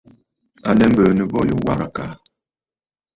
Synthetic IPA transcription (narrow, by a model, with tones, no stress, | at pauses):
a˨lɛ˦m̩˦bə˨nə˨bɔ˦jo˦wa̰˦ɾa̰˨ka˨